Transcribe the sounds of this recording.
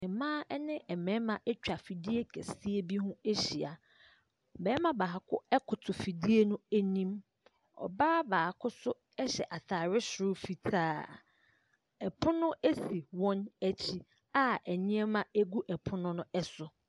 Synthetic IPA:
ɪ̃˨mãː˦ɛ˦nɪ̃˦ʔɛ˨mɛ̃˨˦mã˨ʔɛ˦t͡ɕᶣa˨fi˨di˦e˦kʰɛ˨si˦e˦bi˦hũ˦e˦ɕi˨a̰˨ | bɛː˨˦mã˦˨ba˨ɦa˨kʰʊ˦ɛ˦kʰʊ˨tʰʊ˨fi˨di˦e˦nʊ̃˦e˦nĩ˦m | ɔ̰˨baː˦baː˨a˨kʰʊ˦sʊ˦ | ɛ˦ɕɛ̰˨ʔa˨tʰaː˨ɾɪ˦sʊ˨ɾʊ˦fi˨tʰaː˦ | ɛ˨pʰʊ̃˦nʊ̃˦ʔe˦si˨wɔ̃˦næ˨t͡ɕʰi˦ | a˦ɛ˨ɲɪ̃˦ɛ˦mã˨e˦ɡu˦ʔɛ˨pʰʊ̃˦nʊ̃˦nʊ̃˦ɛ˦sʊ˨

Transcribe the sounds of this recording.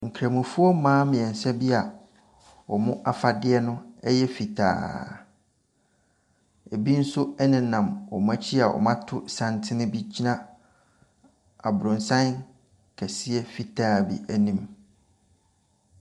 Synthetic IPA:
ŋ̩˨kʰɾæ̃˨mũ˨fu˦ɔ˦mãː˦mɪ̃˨ɛ̃˨n̩˨sɛ˦bi˦a˨ | ɔ˨mʊ̃˦ʔa˦fa˨dɪ˦ɛ˦nʊ̃˦ɛ˦jɛ˦fi˨tʰa̰ː˨˦ | e˨bi˦n̩˦sʊ˦ɛ˦nɪ̃˨˦nã˨mɔ˨mã˦t͡ɕʰi˦a˨wɔ̰˨mã˦tʰʊ˦sã˨ntʰɪ˦nʊ̃˦bi˦d͡ʑi˦nã˦ | a˨bɾʊ̃˨nsã˦n | kʰæ˨si˦ɛ˦fi˨tʰaː˦˨bḭ˨ʔæ˨nĩ˨m

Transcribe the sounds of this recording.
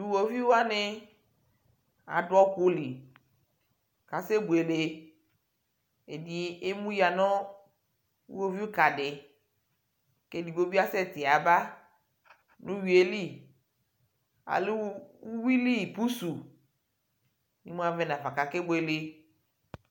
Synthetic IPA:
du˨wo˨vi˦wa˦nɪ˦ | a̰˨dɔ˦ko˦li˨ | ka˨se˦bo˨e˨le˨ | e˨di˨˦e˦mũ˦ja˨nɔ̃˦ | ṵ˦wo˦vi˦u˦ka˨dɪ˨ | ke˦di˨bo˦bi˦a˦sɛ˦t̪ɪ˨a˨ba˦ | nũ˦wi˨e˨li˦˨ | a̰˨lu˦wi˦li˦˨pu˦su˨ | nḭ˦mũ˦a˦vɛ˦nã˨va˨ka˨ke˦be˨le˨

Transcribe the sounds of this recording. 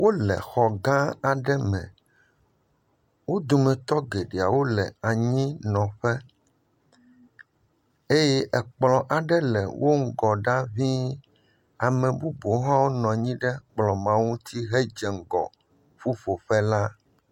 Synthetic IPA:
wo˦lɛ̰˨xɔ˨ɡã˦a˨ɖɛ˦mɛ̰̃˨ | wo˦d̪o˨mɛ̃˨t̪ɔ˦ɡe˨ɖe˨a̰˨wo˦lɛ̰˨a˨ɲĩ˦nɔ̃˨ɸɛ˦ | e˦jɛ˦ʔɛ˨k͡plɔ̃˨ʔa˨ɖɛ˦lɛ̰˨wʔo˦ŋ̩˦ɡɔ˨ɖa˦vi˦ | a˨mɛ̃˨bu˦bo˨˦ɦã˦wo˦nɔ̃˨ɲĩ˦ɖɛ˦k͡plɔ̃˨mã˦ŋũ˦t̪ʰi˦ɦe˦d͡ʒɛ˨ŋ̩˨ɡɔ̰˨ | ɸu˦fo˨ɸɛ˦la˦

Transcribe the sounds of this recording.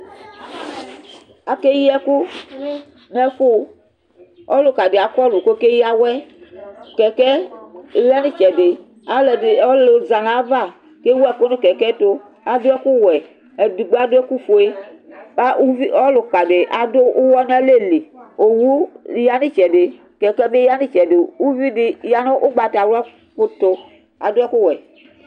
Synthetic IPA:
a˨ke˦ji˦ɛ˦ku˦ | nɛ˦fo˦ | ɔ˦lo˨ka˨ɖe˨a˨kɔ˦lu˨ko˦ke˦ji˦a˦wɛ˦ | kɛ˨kɛ˦˨la˦nĩ˦t͡ʃɛ˨de˨ | a˨le˨ɔ˦lo˨za˨nã˨˦va˦˨ | ke˦wo˦ɛ˨ko˦nũ˦kɛ˨kɛ˦t̪o˦ | a˨do˦ɛ˦ku˦wɛ˨ | ɛ˨du˨ɡ͡bo˦a˦do˦ɛ˦ku˦fo˨e˦a˦u˦vi˦ɔ˦lo˨k͡pa˨ɖe˨ʔa˨do˦ʔu˦wɔ˦n˦a˦le˦˨li˨o˨wu˦ja˦nĩ˦t͡ʃɛ˨de˨ | kɛ˨kɛ˦be˦ja˦nĩ˦t͡ʃɛ˨de˨u˦vi˦de˦ja˦nõ˦ʔo˦ɡ͡ba˨ta˨wa˦ | ko˦t̪o˦ | a̰˨do˦ɛ˦ku˦wɛ˨

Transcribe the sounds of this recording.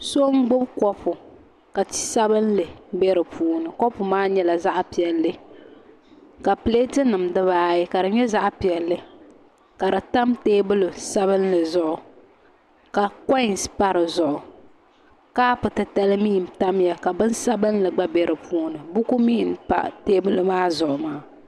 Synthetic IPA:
so˦ŋ̩˦ɡ͡bʊ˦bkɔ˦pʊ˨ | ka˨ti̥˦sa˦bɨ˦nlɨ˨bɛ˦ɾɨ˨pʰuː˦nɨ˨kɔ˦pʊ˨maː˦ɲɛ˦la˨za˦ʔpi˨ɛ˨lːɨ˦ | ka˨ple˦tɨ˦nɨ˨mdɨ˦βaː˦jɪ˦ka˨dɨ˨ɲɛ˦za˦ʔpi˨ɛ˨lːɨ˦ | ka˨ɾɨ˨ta˦mteː˦bɨ˦lʊ˨sa˦βɨ˦n˦lɨ˨zʊ˦ʔʊ˨ | ka˨kɔ˦ɪ˨nspa˦ɾɨ˨zʊ˨ʔʊ˨ | kaː˦pʊ˨tɨ˨ta˦lɨ˦miː˦˨m̩˨ta˦m˦ja˨ka˨bɨ˦nsa˦bɨ˦n˦lɨ˨ɡ͡ba˦bɛ˦ɾʔɨ˨puː˦nɨ˨bu˦ku˦mi˦˨n˦pa̰˦teː˦bɨ˦lɨ˦maː˦zʊ˨ʔʊ˨maː˦

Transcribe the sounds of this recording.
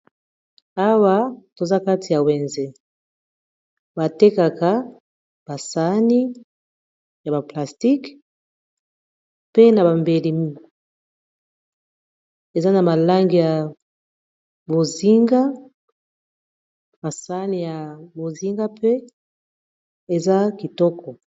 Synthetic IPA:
a˦wa˦to˨za˦ka˦ti˨ja˨we˨nze˦ | ba˨te˦ka˨ka˦ | b̥a˨sa˨˦ni˦ | ja˨ba˨pla˨sti˦k | pe˦na˨ba˨mbe˨li˨mi˦ | e˨za˦na˨ma˨la˦ŋɡi˨ja˨ | bo˨zi˦ŋɡa˦ | ba˨sa˦ni˨ja˨bo˨zi˦ŋɡa˦pe˦ | e˨za˦ki˨tɔ˦kʰɔ˨

